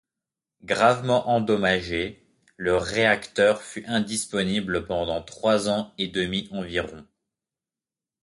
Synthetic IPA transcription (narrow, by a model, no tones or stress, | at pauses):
ɡʁavmɑ̃ʔɑ̃d̪ɔmaʒe | ləʁeakt̪œʁfyʔɛ̃d̪ispɔnibləpɑ̃d̪ɑ̃t̪χwazɑ̃ed̪əmiʔɑ̃viʁɔ̃